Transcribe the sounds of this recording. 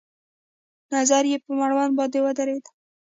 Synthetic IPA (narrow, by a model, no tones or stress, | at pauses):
nazaɾjepəmaɽwanbɑd̪ewəd̪aɾed̪a